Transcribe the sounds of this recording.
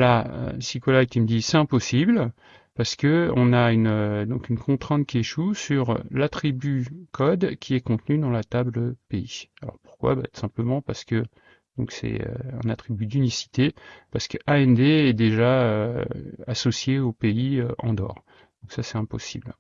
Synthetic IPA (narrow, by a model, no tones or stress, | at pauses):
laø̰sikɔlajkʲiməd̪isɛt̪ɛ̃pɔsibl | paʁsə̥kəɔ̃naynød̪ɔ̃kynkʰɔ̃t̪χɛ̃t̪̚kʲieʃusyʁlat̪χibykʰɔd̪kʲiɛkɔ̃t̪nyd̪ɑ̃lat̪abləpeialɔ̰ʁpuʁkwa̰ba̰t̪u̥sɛ̃pləmɑ̃paʁsə̥kə | d̪̥ɔ̃ksɛ̰ø̰ɛ̰̃nat̪χibyd̪ynisi̥t̪epaʁsə̥kəʔaɛnd̪eɛd̪eʒaø | asɔsjeopeiøɑ̰̃d̪ɔ̰ːʁ | d̪̥ɔ̃ksasɛt̪ɛ̃pɔsḭbl